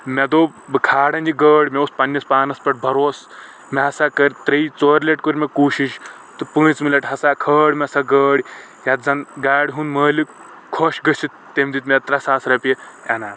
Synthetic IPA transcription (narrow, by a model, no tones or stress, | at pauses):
mɛd̪oː | bɨkʰaːɽãnd͡ʑiɡəːɽʲmɛuspɐnːɐspaːnɐspɐʈ̚bʱɐɾos | mɛɦasakəɾʲt̪ɾɐit͡soɾleʈkoɾʲmekuːɕiʃ | t̪ɨpɨ̃ːt͡smilɐʈɦɐsakʰəːɽʲmʲɛsaɡəːɽʲ | jat̪̚d͡zanɡaːɽʲɦũːnməːli | kʰoɕɡəsit̪ːemʲd̪it̪̬mʲɛt̪ɾasaːsɾape | ɛ̰naːt̪